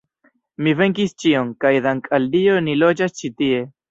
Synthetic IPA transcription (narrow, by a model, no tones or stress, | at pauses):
mive̞ŋkist͡ʃioŋkajd̪aŋkʰʼaldio̞nilo̞d͡ʒast͡ʃitie̞